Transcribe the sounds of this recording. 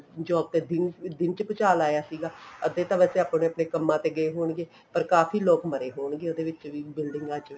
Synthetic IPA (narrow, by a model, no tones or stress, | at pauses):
d͡ʒɔːb̚t̪eːd̪ɪnd̪ɪnt͡ʃpɪt͡ʃaːlaːjaːsiːɡaːəd̪eːt̪ãːʋɛːseːaːpːneːəpɽeːkəmːãːt̪eːɡəeːɦoːɳɡeː | pəɾkaːfʰiːloːkməɾeːɦoːɳɡeːoːd̪eːʋɪt͡ʃʋiːbɪlɖɪŋɡaːt͡ʃː